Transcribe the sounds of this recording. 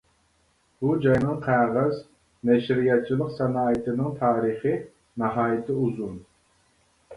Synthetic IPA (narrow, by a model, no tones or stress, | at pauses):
bud͡ʒɑjnɨŋqʰæʁæz | nɛʃɾijɑt̪̚t͡ʃʰilˠəqsɛnɑːit̪ʰɪnɨŋt̪ʰɑːɾɨχɨ | nɨɦɑːjɪt̪ʰɪuzun